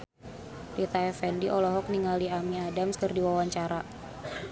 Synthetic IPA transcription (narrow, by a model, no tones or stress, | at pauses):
lit̪aɛfɛndiʔɔlɔɦɔk̚niŋaliamiadamskərdiwawaɲt͡ʃaɾa